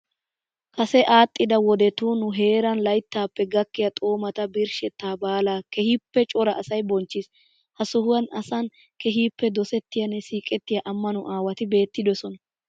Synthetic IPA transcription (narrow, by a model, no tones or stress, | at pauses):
kɐsɛʔaːt̪ʼːɪd̪ɐwɔd̪ɛt̪uːnʊɦe̞ːɾɐnlɐjt̪ːaːpːɛɡɐkːɪjɐt̪ʼo̞ːmɐt̪ɐbɪɾʃɛt̪ːaːbaːlaːkɛhiːpːɛt͡ʃʼɔɾɐʔɐsɐjbɔnt͡ʃːɪs | hɐsʊhʊwɐnɐsɐn | kɛɦiːpːɛd̪ɔsɛt̪ːɪjɐnːɛsiːkʼɛt̪ːɪjɐʔɐmːɐnʊʔaːwɐt̪ɪbe̞ːt̪ːɪd̪ɔsɔnɐ